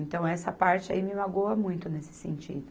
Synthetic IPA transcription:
ẽnt̪ɐ̃w̃ɛsɐpaɾt͡ʃɪa̰imɪmaɡoɐmũj̃t̪ʊnesɪ̥sẽnt͡ʃḭd̪ʊ

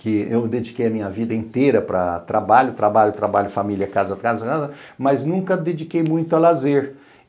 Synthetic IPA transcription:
kɪewd̪ed͡ʒikejɐmĩɲɐvid̪ɐẽnt̪eɾɐpɾɐ̰t̪ɾabaʎʊt̪ɾabaʎʊt̪ɾabaʎʊfamiljɐkazɐkazɐkazɐ | mɐznũkɐd̪ed͡ʒikejmũj̃t̪ʊɐlazeɾ

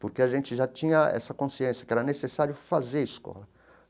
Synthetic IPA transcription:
poɾkeaʒẽnt͡ʃɪʒat͡ʃĩɲɐɛ̰sɐkõsiẽsjɐkɪɛɾɐnesesaɾjʊfazeɾiskɔ̰lɐ

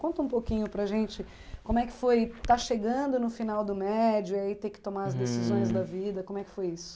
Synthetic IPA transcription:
kõnt̪ɐũpokĩɲʊpɾɐʒẽnt͡ʃɪ | kõmʊɛkɪ̥fojt̪aʃeɡɐ̃d̪ʊnʊfinawd̪ʊmɛd͡ʒʊiait̪ekɪ̥t̪omaɐzd̪esizõj̃zd̪ɐvid̪ɐkõmʊɛkɪ̥fojisʊ̥

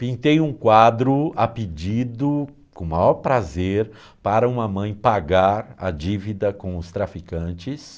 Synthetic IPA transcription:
pĩnt̪ejũkwad̪ɾʊapid͡ʒid̪ʊ | kõmajɔɾpɾazeɾ | paɾɐũmɐmɐ̃j̃paɡaɾɐ̰d͡ʒivid̪ɐkõʊst̪ɾafikɐ̃nt͡ʃɪs

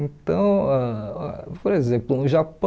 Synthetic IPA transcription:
ẽt̪ɐ̃w̃a̰ | poɾezẽplʊ̃ʒapɐ

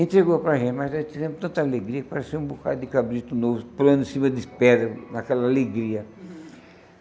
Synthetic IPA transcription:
ẽnt̪ɾeɡopɾɐʒẽmazet̪izẽmt̪ɐ̃nt̪ɐaleɡɾiɐpaɾɐseɾũbuka̰d̪ɪkabɾit̪ʊnovʊpuɾɐ̃nd̪ʊĩsĩmɐd̪ɪspɛɾɐnakɛlɐaleɡɾiɐ

